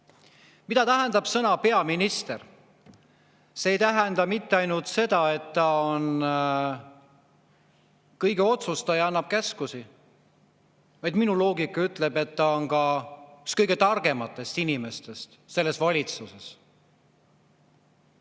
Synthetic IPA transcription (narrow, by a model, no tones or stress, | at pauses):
mid̪ɑt̪æɦɛnd̪ɑb̥sɤnɑpe̞ɑminist̪er | se̞ːjt̪æɦɛnd̪̥ɑmit̪ːe̞ɑjnult̪se̞d̪̥ɑe̞t̪ːɑon | kɤjɡeo̞t̪sust̪ɑjɑɑnːɑb̥̚kæskusi | vɑjd̪minulo̞ːɡikːˑɑyt̪ˑle̞be̞t̪ːɑonkɑykskɤjɡe̞t̪ɑrɡe̞mɑt̪ːˑe̞st̪inime̞st̪e̞st̪ | se̞lːe̞svɑlʲit̪suse̞s